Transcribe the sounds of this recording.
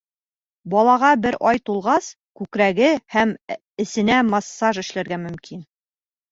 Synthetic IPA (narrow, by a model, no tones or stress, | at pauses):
bɒlˠɑʁɑbɘɾʔɒjt̪ulˠʁɑs | kʉkɾæɡɘhæm | ɘ̆sɘ̆næmɑsːɑʒɘ̆ʃlæɾɡæmɵ̆mkin